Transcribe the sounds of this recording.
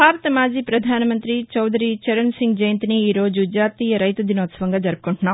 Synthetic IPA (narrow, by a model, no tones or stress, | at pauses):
bʱaːɾɐt̪ɐmaːd͡ʒiːpɾɐd̪ʱaːnɐmɐnt̪ɾit͡ʃɐwd̪ʱɐɾit͡ʃɐɾɐnsiŋɡd͡ʒɐjɐnt̪iniːɾo̞ːd͡ʒud͡ʒaːt̪iːjɐɾɐjt̪ud̪inoːt̪sɐʋɐŋɡaːd͡ʒɐɾpu̥kuɳʈunːaː